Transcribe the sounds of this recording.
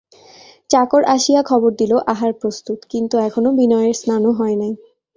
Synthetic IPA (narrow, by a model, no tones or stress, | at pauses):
t͡ɕakoɾʔaʃijakʰɔboɾd̪iloʔaɦaɾpɾost̪ut̪kint̪uɛkʰonobinɔeɾsnanoɦɔenaj